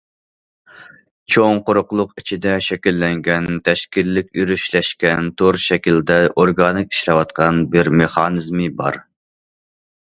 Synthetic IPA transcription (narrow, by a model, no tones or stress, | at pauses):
t͡ʃʰoŋqoɾʊqlˠʊqit͡ʃʰid̪ɛʃɛkʲilːɛŋɡʲɛnt̪ʰɛʃkʲilːɪkʲyɾyʃlɛʃkʲɛnt̪ʰoɾʃɛkʲild̪ɛʔoɾɡɑnɨkʰʲi̥ʃɾɛwɑt̪̚qʰɑnbɪɾmeχɑːnɨzmɨbɑ̰ɾ